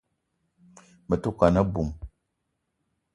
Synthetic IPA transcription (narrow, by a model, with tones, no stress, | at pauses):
mə˨tu˦ka˨nə˦bu˨m